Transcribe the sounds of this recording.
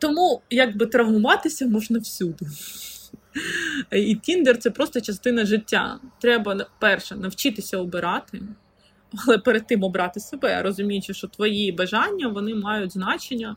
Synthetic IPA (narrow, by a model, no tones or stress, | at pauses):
t̪ɔmujɐɡbɪt̪ɾɐɦmʊʋɑt̪ɪsʲɐmɔʒnɐwsʲud̪ɪ | it̪ʲind̪ert̪sɛpɾɔst̪ɔt͡ʃɐst̪ɪnɐʒɪtʲːa̰t̪ɾɛbɐpɛrʃɛnɐwt͡ʃɪt̪ɪsʲɐɔbɪɾɑt̪ɪ | ɐlˠɛpeɾed̪̚t̪ɪmɔbɾɑt̪ɪsebɛɾɔzʊmʲijʊt͡ʃɛʃt͡ʃɔt̪ʋɔjibɐʒɑnʲːɐʋɔnɪmɑjʊtʲznɑt͡ʃenʲːɐ